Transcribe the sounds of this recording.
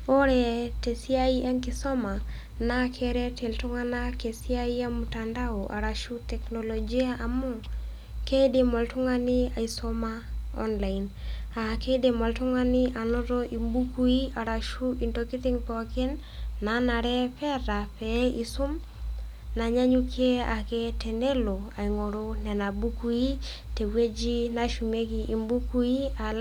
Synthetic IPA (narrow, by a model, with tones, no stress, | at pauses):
o˦ɾɛte˨si˦a˦i˦ʔa˦nkɪsɔ˦ma˨ | na˦kʰɛɾɛ˦te˨ltʊ˦ŋa˦na˦ke˨si˦a˦i˦a˦mutanda˦oʔa̰˨ɾaʃu˦tɛknolod͡ʒi˦aʔa˨mu˦ | ke˦demɔ˨ltʊ˦ŋanɪ˦a˨i˨sɔmaɔ̰˦nla˨ina˨ke˦de˦mɔ˨ltʊ˦ŋa˦nɪ˦ʔa˨nɔ˦ɾɔ˦ʔi˨mbu˦ku˦i˦a˨ɾa˨ʃu˦i˨nto˨kɪ˦t̪ɪ˦ŋpɔ˨kɪ˦nː | a˨˦na˨ɾɛ˦pɛ˦ɾa˨pɛ˨˦i˨sʊ˦m | na˨ɲa˦ɲu˦ke˦a˨ke˦tɛ˨nde˦lo˨a˨i˨ŋo˨ɾo˦nɛ˨na˨bu˦ku˦i˦ | te˨we˦d͡ʒi˦na˦ʃu˨me˦ki˨ʔi˨mbu˦ku˦i˦a˨l